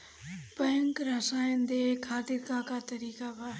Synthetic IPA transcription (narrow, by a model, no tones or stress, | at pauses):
pəjŋkɾɐsaːjənd̪ekʰaːt̪iɾkãkat̪ɐɾiːkabʱa